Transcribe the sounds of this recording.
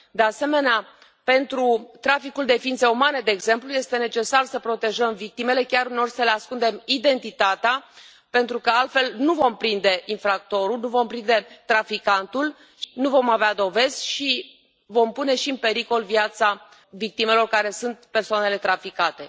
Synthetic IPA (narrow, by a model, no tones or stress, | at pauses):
d̪e̞ase̞me̞nea | pe̞nt̪ɾut̪ɾafikuld̪e̞fint̪seumane̞d̪e̞ːɡze̞mpluje̞st̪e̞ne̞t͡ʃe̞sarsəpɾo̞t̪e̞ʒəmvik̚t̪ime̞le̞kʲaɾuno̞rʲsəleaskund̪e̞mid̪e̞nt̪it̪at̪ea | pe̞nt̪ɾukəalt̪fe̞lnuvo̞mpɾind̪e̞ʔinfɾak̚t̪o̞ɾulnuvo̞mpɾind̪e̞t̪ɾafikant̪ul | ʃnuvo̞mavead̪o̞ve̞zʲʃi | vo̞mpune̞ʃiɨnpe̞ɾiko̞lvjat̪sa | vik̚t̪ime̞lo̞rkaɾe̞sunt̪̚pe̞rsoane̞le̞t̪ɾafikat̪e̞